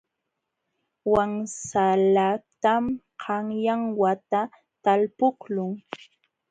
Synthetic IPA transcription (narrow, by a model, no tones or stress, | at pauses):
waŋsalat̪am | qʰɑŋjaŋwat̪a | t̪alpʊklʊŋ